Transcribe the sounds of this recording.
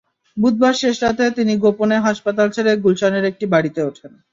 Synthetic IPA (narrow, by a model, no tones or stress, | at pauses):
bud̪̚baɾʃeʃɾat̪et̪iniɡoponeɦaʃpat̪alt͡ɕʰeɾeɡulʃaneɾek̚ʈibaɽit̪eoʈʰen